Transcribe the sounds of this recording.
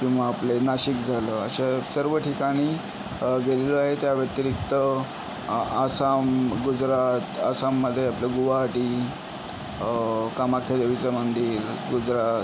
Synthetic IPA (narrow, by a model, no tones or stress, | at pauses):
kĩw̃ʋaːplenaɕikd͡zʱaləəɕesəɾʋəʈʰikaɽ̃iː | ɡeleləaɦet̪jaʋət̪ɾikt̪ə | asamɡud͡zɾat̪asamːəd̪ʱːjeapljeɡuʋaʈiː | kamakʰed̪eʋit͡səmənd̪iːɾɡud͡zɾat̪